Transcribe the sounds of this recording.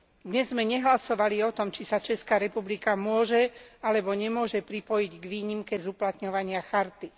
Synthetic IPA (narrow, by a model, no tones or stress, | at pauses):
d̪ɲɛzːmɛɲɛɦlasɔʋaliɔt̪ɔmt͡ʃisat͡ʃɛskaːɾɛpublikamʊɔʒɛalɛbɔɲɛmʊɔʒɛpɾipɔjiɟɡʋiːɲimkɛzuplat̪ɲɔʋaɲɪaxaɾt̪i